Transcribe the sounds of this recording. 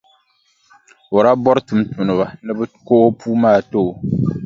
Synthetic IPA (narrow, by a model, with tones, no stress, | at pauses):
o˨ɾa˦bɔ˦ɾɨ˦tu˨mtu˨nɨ˨ba˨nɨ˦bɨ˦ko˦ʔo˦puː˦maː˦˨to˦ʔ